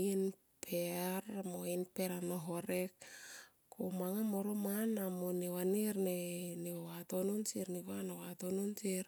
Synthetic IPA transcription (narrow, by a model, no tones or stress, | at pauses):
in | pʰeɾmoinpeɾanoɦo̞ɾek | kʰomaŋamoɾomanamonewaniɾneneowatononsiɾniβanowatononsiɾ